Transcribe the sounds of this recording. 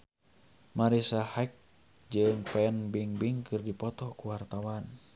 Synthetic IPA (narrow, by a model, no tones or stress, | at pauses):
maɾisahak̚ | d͡ʒɨŋpɛnbiŋbiŋkʰɨrdipɔt̪ɔkuwart̪awan